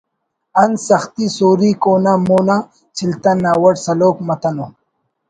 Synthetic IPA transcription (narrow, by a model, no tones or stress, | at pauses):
ɐnsɐxt̪isoːɾikoːnamoːna | t͡ɕʰilt̪ɐnːaːwɐʈsɐloːkmɐt̪ɐno